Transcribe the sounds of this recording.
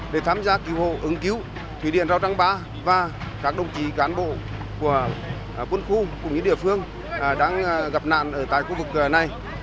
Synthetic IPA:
ɗe˧˩t̪ʰaː˧mzaː˧ki˨˦who̰˧˩ʔɨ˨˦ŋki˨˦w | t̪ʰwi˧˩ɗḭ˧˨ənzaː˧wt͡ɕa˧ŋɓaː˨˧˦ | vaː˨˩kaː˦˥k̚ɗə˧˩wŋ͡mt͡ɕi˨˦kaː˨˦nɓo̰˧˨ | ku˧˩ə˩ | kwə˧nxu˧kʊ̰˧˩ŋ͡mɲɨ̰˧˥ɗḭ˧˨əfɨ˧əŋ˩ | ɗaː˧˥ŋɣa˨˩p̚na̰ː˧˨nʔəː˧˩t̪a̰ː˧˨jxu˧vɨ˨˩k̚na˨˩j

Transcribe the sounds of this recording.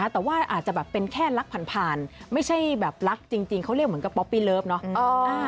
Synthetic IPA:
a˦˥t̪ɛː˨˩waː˥˩ʔa̰ː˨˩t̪̚t͡ɕa˨˩bɛː˨˩pːe˧nkʰɛː˥˩la˦˥k̚pʰa˨˩˦npʰaː˧nma˥˩jt͡ɕʰa˥˩jbɛː˨˩p̚la˦˥k̚t͡ɕi˧ŋt͡ɕi˧ŋkʰa˦˥wɾli˥˩k̚mɯ˩˦ŋka˧˩pːɔ˦˥pːiː˥˩lɤː˦˥˩p̚nɔ˦˥ɔː˨˧

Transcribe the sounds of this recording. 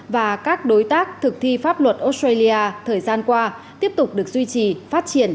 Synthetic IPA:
vaː˨˩kaː˦˥k̚ɗo˨˦jt̪aː˦˥k̚t̪ʰɨ˨˩k̚t̪ʰi˧faː˦˥p̚lwə˨˩t̚ʔo˧˦˥stɾə˧jli˧ʔaː˧t̪ʰəː˨˩jzaː˧nkwaː˧ | t̪i˦˥əp̚t̪ʊ˨˩k͡p̚ɗɨ˨˩ək̚zwi˧t͡ɕi˨˩faː˦˥t̚t͡ɕi˧˩ən

